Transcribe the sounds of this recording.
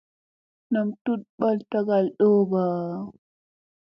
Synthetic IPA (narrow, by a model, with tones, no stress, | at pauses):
na˨mtu˦t̚ɓa˦lta˦ɡa˨lɗo˦ba˨